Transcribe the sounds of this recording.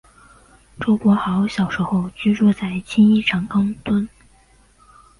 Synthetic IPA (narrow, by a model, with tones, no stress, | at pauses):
ʈ͡ʂo˥kwɔ˧˥xɑ˧˥ʊɕjɑ˨˩ʊʂɻ̩˧˥xo˥˧ʊt͡ɕy˥ɻu˥˧t͡sa˥˩ɪt͡ɕʰi˥ni˥˩ʈ͡ʂʰɑ˨˩ŋɑ˥ŋt̪wə˥n